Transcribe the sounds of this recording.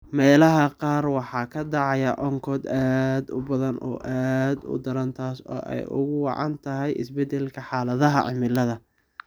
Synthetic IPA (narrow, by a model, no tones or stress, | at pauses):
mɛːlɐɦɐqɑːrwɑħɑːkʰɐd̪ɑʕɑjɐʔɔŋkʰɔːd̪aːd̪ʊbɐðɐnʔɔ̰ːʔaːd̪ʊ̰d̪ɐɾɐnt̪ʰaːsɔ̰ːʔɛ̰jʔʊ̰ɣʊwɑ̰ʕɑ̰nt̪ʰɐɦɛjɪ̰sbɛd̪ɛlkʰɐħɑːlɐðɐɦɐ̰ʕɪ̰mɪlɐðɐ